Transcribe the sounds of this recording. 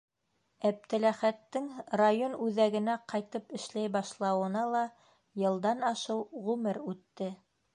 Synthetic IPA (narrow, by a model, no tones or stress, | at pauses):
æp̚t̪ɘ̆læχæt̪ːɘŋrajonʉðæɡɘ̆næqɑjt̪ɤpɘ̆ʃlæjbɑʃlˠɑwɤ̆nɑlˠɑ | jɤ̆lˠd̪ɑnɑʃɤwʁʉmɘɾʉt̪ːɘ